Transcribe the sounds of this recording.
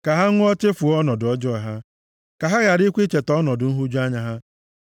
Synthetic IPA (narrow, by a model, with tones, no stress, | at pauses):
ka˨ɦa˦ŋʷʊ˦ɔ˦t͡ʃe˦fu˨ɔ˦nɔ˨dɔ˦d͡ʒɔ˦a˨ɦa˦ | ka˨ɦa˦ɣa˨ɾi˦kʷi˦t͡ʃe˨tɔ˦nɔ˨dʊ˨n̩˦ɦu˦d͡ʒu˦a˦ɲa˦ɦa˦